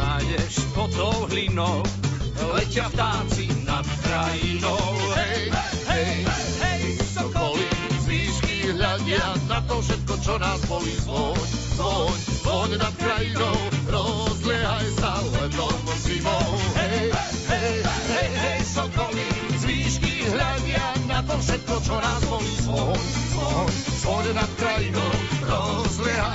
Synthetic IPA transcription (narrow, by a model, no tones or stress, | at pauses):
ajɛʃpɔt̪ɔwɦlinɔk | lɛcɪaft̪aːt͡sina | kɾainɔwɦɛj | ɦɛj | ɦɛj | sɔbɔlizʋiːʃkiɦʎadɛanat̪ɔfʃɛt̪̚kɔt͡ʃɔnaːzbɔlibɔɲ | ɔɲɔɲnat̪kɾajinɔwɾɔzlɛɦajsalɛnd̪ɔɔsibɔɦɛ | ɦɛjɛjɛjsɔbɔlizʋiːʃkiɦʎaɲɪanat̪ɔfʃɛt̪̚kɔt͡ʃɔnaːzbɔlisɔɲɔɲɔɲɛnat̪̚kɾajinɔwɾɔzlɛɦa